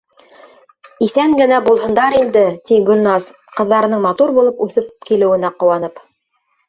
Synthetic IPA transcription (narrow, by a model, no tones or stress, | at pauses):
iθæŋɡɘ̆næbulˠhɤ̆nd̪ɑɾind̪ɘt̪iɡʲɵ̆nːɑs | qɤ̆ðːɑɾɤ̆nɤɴmɑt̪uɾbulˠɤpʉθɘpkilɘ̆wɘ̆næqŏwɑn̪ɤp